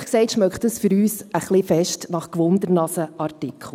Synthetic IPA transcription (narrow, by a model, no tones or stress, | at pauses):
χksɛɪtʃmœkχtdəsfʏɾyːsəχlɪfɛʃtnɑχkʋʊndəɾnɑsəʔɑɾtɪkχl̩